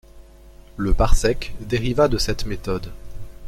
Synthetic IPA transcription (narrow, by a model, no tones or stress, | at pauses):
ləpaʁsɛkd̪eʁivad̪əsɛt̪met̪ɔd̪